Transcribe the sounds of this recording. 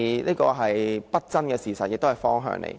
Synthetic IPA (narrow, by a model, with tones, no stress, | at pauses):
niː˥kɔː˧ɦɐ˨jpɐ˥t̚t͡sɐ˥nkɛː˧siː˨˩sɐ˨t̚jɪ˨k̚t̪o˥whɐ˨˩jfɔː˥ŋɦœ̰ː˧ŋnḛ˧j